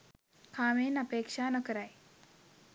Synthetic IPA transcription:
kʰaːmeːnɐpeːkʂaːnokɐɾaj

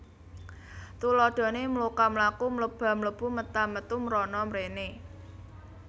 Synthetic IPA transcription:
t̪ulɔɖ̪̥ɔ̤nemlukamlakumələb̥a̤mələb̥ṳmət̪amət̪umɾɔnɔmɾene

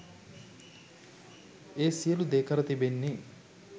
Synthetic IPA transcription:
eːsijəlud̪eːkʰɐɾɐt̪ibenːi

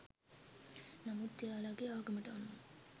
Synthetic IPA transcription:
nɐmut̪ːjaːlaːɡeaːɡɐmɐʈɐɐnːuŋ

